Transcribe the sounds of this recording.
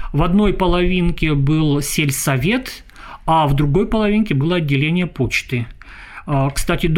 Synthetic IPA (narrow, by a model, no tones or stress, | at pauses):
vɐd̪no̞jpəlˠɐvʲinkʲɪbɨlˠsʲelʲsɐvʲe̞t̪ | avd̪ɾʊɡo̞jpəlˠɐvʲinkʲɪbɨlˠəɐdʲːɪlʲenʲɪjəpo̞t͡ɕt̪ɨ | kst̪atʲɪd̪